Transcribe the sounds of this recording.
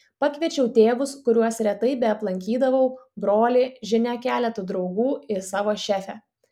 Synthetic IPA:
pɑkʋʲiɛt͡ʃʲɛʊt̪ʲeːʋʊskʊɾʲuɔsɾʲɛt̪ɐɪbʲɛɐplˠɐŋʲkʲiːd̪ɐʋɐʊbɾoːlʲɪʒʲɪnʲækʲæːlʲɛt̪ʊd̪ɾɒʊɡuːɪsɑːʋoːʃʲæːfʲɛ

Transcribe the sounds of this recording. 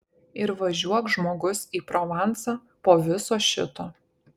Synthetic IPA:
ɪɾʋɐʒʲuɔkʒmoːɡʊsiːpɾɔʋɑˑnˑt̪sɑː | poːʋʲɪsoːʃʲɪ̰t̪oː

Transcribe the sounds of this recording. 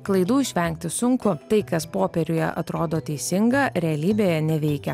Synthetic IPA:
klˠɐɪd̪uːɪʃʲʋʲɛŋkt̪ʲɪsʊŋkʊt̪ɐɪkɐspoːpʲɛɾʲʊjɛ̰ʔɐ̰t̪ɾoːd̪oːt̪ʲɛɪsʲɪŋɡɐɾʲɛɐlʲiːbʲeːjɛnʲɛʋʲɛɪkʲɛ

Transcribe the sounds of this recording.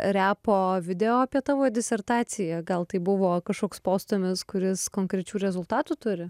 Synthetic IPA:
ɾʲæːpoːʋʲɪd̪ʲɛoːɐpʲiɛt̪ɑːʋoːd̪ʲɪsʲɛrt̪ɑːt̪sʲɪjɛɡɐlˠt̪ɐɪbʊʋoːkɐʃkoːkspoːst̪ʊmʲɪskʊɾʲɪskoːŋkɾʲɛt͡ʃʲuːɾʲɛzʊlˠt̪ɑːt̪ut̪ʊɾʲɪ

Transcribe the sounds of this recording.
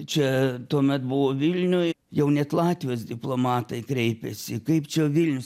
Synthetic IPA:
t͡ʃʲɛt̪uɔmʲɛt̪bʊʋoːʋʲɪlʲnʲʊjjɛʊnʲɛt̪lˠɑːt̪ʲʋʲɪjoːsd̪ʲɪplˠoːmɑːt̪ɐɪkɾʲɛɪpʲɛsʲɪkɐɪpt͡ʃʲɛʋʲɪlʲnʲʊs

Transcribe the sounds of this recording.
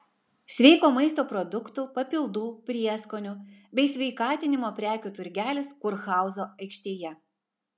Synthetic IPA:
sʲʋʲɛɪkoːmɐɪst̪oːpɾɔd̪ʊkt̪uːpɐpʲɪlˠd̪uːpʲɾʲiɛskoːnʲʊbʲɛɪsʲʋʲɛɪkɑːt̪ʲɪnʲɪmoːpʲɾʲæːkʲuːt̪ʊɾʲɡʲæːlʲɪskʊɾxɑˑʊzoːɐɪkʃʲt̪ʲeːjɛ

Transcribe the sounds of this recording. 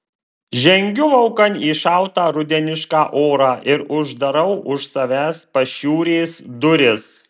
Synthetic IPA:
ʒʲɛŋʲɡʲʊʋɐʊkɐniːʃɑˑʊt̪ɑːɾʊd̪ʲɛnʲɪʃkɑːʔoːɾɑːʔɪɾʊʒd̪ɐɾɐʊʔʊʃsɐʋʲæːspɐʃʲuːɾʲeːsd̪ʊɾʲɪs

